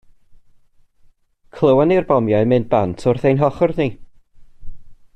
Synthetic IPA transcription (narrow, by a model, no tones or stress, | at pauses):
kʰlˠəwanirbɔmjaɨmɨn̚bantʰʊrθejnɦɔχɔrni